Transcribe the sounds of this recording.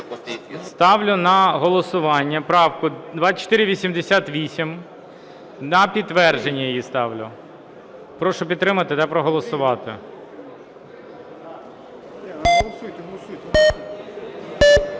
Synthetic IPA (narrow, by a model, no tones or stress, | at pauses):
st̪ɑʋlʲʊnɐɦɔlˠɔsʊʋɑnʲːɐpɾɑwkʊd̪ʋɑt͡ʃɔ̥t̪ɪɾʲɪʋʲisʲimd̪esʲat̪ʋʲisʲim | nɐpʲidt̪ːʋɛrʒenʲːijjist̪ɑʋlʲʊ̰ | pɾɔʃɔpʲid̪t̪ːɾɪmɐt̪ɪd̪ɛpɾɔɦɔlˠɔsʊʋɑt̪ɪ̰ | ɦlˠsujt̪ɦlˠsuj̪